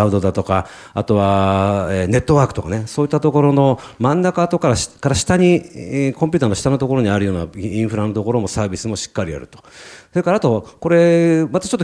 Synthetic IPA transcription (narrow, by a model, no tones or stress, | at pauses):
ɯd̪o̞d̪at̪o̞ka | at̪o̞βaene̞t̪ːo̞βaːkɯ̟t̪okane̞so̞ːit̪ːat̪o̞ko̞ɾo̞no̞mãnːakat̪o̞kaɾaɕkaɾaɕi̥t̪aɲikõmpʲiɨːt̪anoɕi̥t̪anot̪o̞ko̞ɾo̞ɲ̟iaɾɯ̟jo̞ːna̰ĩɰ̃ɸɯɾano̞t̪o̞ko̞ɾo̞mo̞saːbʲisɨmo̞ɕi̥kːaɾʲia̰ɾɯ̟̰t̪o̥soɾe̞kaɾaːt̪o̞ko̞ɾe̞mat̪ḁt͡ɕot̪ːo